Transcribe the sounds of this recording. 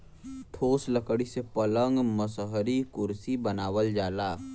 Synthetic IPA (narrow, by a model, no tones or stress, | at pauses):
ʈʰoːsləkɽisepələŋɡməsɦɾikʊɾsibənaːwəld͡ʒaːlaː